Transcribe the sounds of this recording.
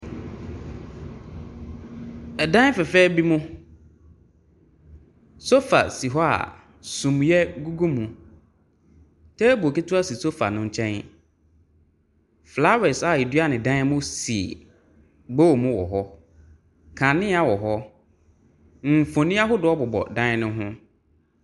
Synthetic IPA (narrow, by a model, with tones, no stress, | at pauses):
ɛ˨dã˦fɛ˨fɛː˦bi˦mʊ̃˦ | so˦fa̰˨si˨ɦɔ˦a̰˨ | sũ˨m˨jɛ˦ɡu˦ɡu˦mũ˨ | tʰɛː˦bu˨o˨ki˦tʰʊ˦a˦si˨so˦fa̰˨nʊ̃˦˨ɲ̩˦˨t͡ɕʰɛ̃˦n | fla˦wɛ˨sa˨i˨dɥa˦˨nɪ̃˨dã˦mʊ̃˦sḭ˨ | bo˦˨mʊ̃˦wɔ̰˨ɦɔ˦ | kʰã˨nɪ̃˦a˦wɔ˨ɦɔ˦ | m̩˨fõ˨nĩ˦a˦ɦʊ˦dʊ˨˦ɔ˦bɔ˨bɔ̰˨dã˦n˦nʊ̃˦ɦʊ̃˦